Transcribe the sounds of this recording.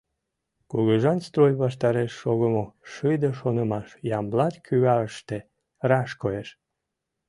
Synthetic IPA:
kuɣəʒɑnst̪rojβɑʃt̪ɑɾeʃːoɣəmoʃɯjd̪əʃonəmɑʃjɑmblɑt̪kʰyɣɑəʃt̪e | rɑʃkoeʃ

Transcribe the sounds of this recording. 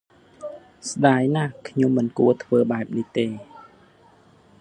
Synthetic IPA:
sɗaːjnakʰɲomːɨnkuət̪ʰʋəːɓaɛp̚nit̪eː

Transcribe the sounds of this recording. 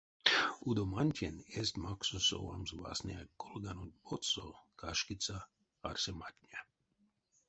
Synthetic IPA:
ud̪omanʲtʲenest̪maksuso̰wa̰mzʋa̰snʲɛakolɡanonpot̪sokʰaʃkit͡sa | arsematʲnʲa

